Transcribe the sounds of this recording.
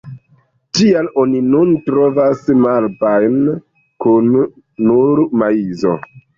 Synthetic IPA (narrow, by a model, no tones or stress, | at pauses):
tialo̞ninuntɾo̞vasmaɾbajn | kunː | uɾmaizo̞̰